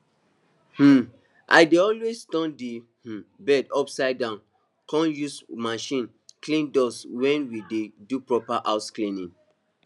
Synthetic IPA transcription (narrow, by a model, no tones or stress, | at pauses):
h̩ | ʔa̰ɪdeɔlwestɔ̃nde | h̩bɛdɔpsaɪdãʊ̃n | kɔ̃njusmaʃĩn | klĩndɔswɛ̃nwidedupɹɔpaʔaʊsklĩnĩŋ